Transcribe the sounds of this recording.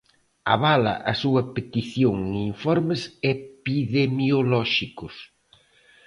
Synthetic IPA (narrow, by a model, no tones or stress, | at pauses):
a̰βalɐ̰ʔɐsuɐpet̪iθjoŋiɱfɔɾmesepiðemjolɔʃikʊs